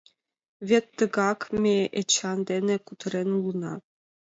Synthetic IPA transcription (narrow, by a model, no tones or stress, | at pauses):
vʲet̪ːəɡɑkmeʔet͡ɕʰɑnd̪enekut̪ʰəɾenulˠənɑ̰